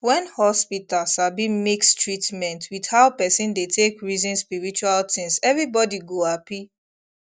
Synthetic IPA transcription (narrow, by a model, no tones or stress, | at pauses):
wɛ̃nhɔspitalsabĩmikstɹitmɛ̃ntʰwidhaʊpɛsĩndetʰekɹizĩnspiɹit͡ʃualtĩŋsɛvɹibɔdiɡoapi